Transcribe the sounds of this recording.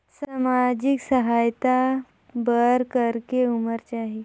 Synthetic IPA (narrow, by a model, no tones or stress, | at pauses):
samad͡ʒɪksəɦaːjt̪a | bəɾkəɾkeuməɾt͡ʃaːɦi